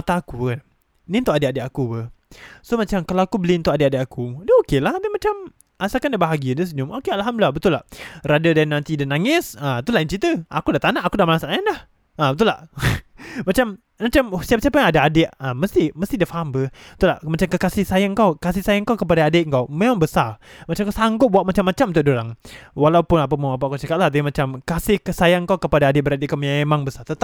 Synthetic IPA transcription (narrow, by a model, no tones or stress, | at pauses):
at̪aːkukan | nint̪ʊʔadɪʔadɪʔakubəhsomat͡ʃamkalawakubəlint̪ʊʔadɪʔadɪʔakudəokelahdəmat͡ʃam | ʔasakandabaɦaɡiəndəs̬əɲʊmokealɦamblabət̪ʊlaʔradadanãnt̪idanaŋɪsət̪ulaʔint͡ʃit̪əa̰kudaʔt̪anaʔakudaʔmalasaʔajandah | əbət̪̬ʊlaʔ | mat͡ʃam | nat͡ʃamsiap̚siapajaŋadaadɪʔəmːəst̪ɪhməst̪idafaɦambət̪ulaʔmat͡ʃamkəkasɪhsajaŋkawkas̬ɪhsajaŋkawkəpadaːdeʔŋkawmemaŋbəsarmat͡ʃamkawsaŋɡʊp̚buaʔ̚mat͡ʃamːat͡ʃamunt̪ʊkdoɾaŋwalawpʊnapaməap̬akat͡ʃakat̪̚laht̪t̪aimat͡ʃamkasɪhksajaŋkawkəpadaːdɪʔ̚bəɾadiʔkamaemaŋbəsart̪ət̪a